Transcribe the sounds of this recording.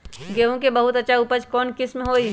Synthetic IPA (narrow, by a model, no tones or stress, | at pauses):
ɡeːɦõkebɐɦʊt̪ɐtːʃʰaupət͡ʃkɔːnkɪsmẽɦoːi